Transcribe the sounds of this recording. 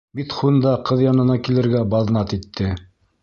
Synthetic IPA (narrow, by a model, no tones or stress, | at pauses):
bit̪χund̪ɑqɤðjɑnɤ̆nɑkilɘ̆ɾɡæbɑðnɑt̪it̪ʰːɘ